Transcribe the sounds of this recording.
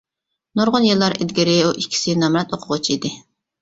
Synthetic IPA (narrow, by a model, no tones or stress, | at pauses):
noɾʁʊnjelˠːɑɾɪd̪ɡʲɪɾɪuʔikʲʰːi̥sɪnɑmɾɑt̪oqʰʊʁʊt͡ʃʰid̪ɪ